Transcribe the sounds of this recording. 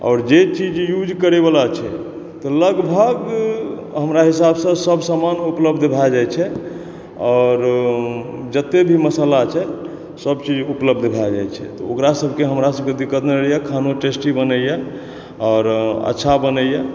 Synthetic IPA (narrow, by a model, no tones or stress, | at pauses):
ɔ̰ːɾd͡ʒet͡ʃid͡ʒjud͡ʒkəɾebalat͡ʃʰɛ | t̪ɔləɡbʱəɡ | ɦəmɾaɦisabsə̃səbsamanupləbd̪ʱbʱad͡ʒajt͡ʃʰɛ | ɔɾ | d͡ʒət̪ːebʱiməsəlat͡ʃʰɛ | səbt͡ʃid͡ʒupləb̚d̪ʱbʱajd͡ʒa̰jt͡ʃʰɛ̰t̪ɔokɾasəbʱkeɦəmɾasəbked̪ikːət̪neɾijakʰanoʈesʈibənəja | ɔːɾə̰tːʃʰabənəjja